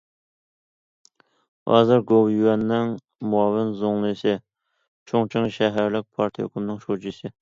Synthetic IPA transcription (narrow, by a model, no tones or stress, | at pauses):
hɑ̰ːzɨɾɡowjywɛnːɪŋ | muɑːvɪnzoŋlˠɨsɨ | t͡ʃʰoŋt͡ʃʰiŋʃɛɦæɾlɪk̚ʲpʰɑɾt̪ʰijo̰kʰumnɨŋʃod͡ʒisɪ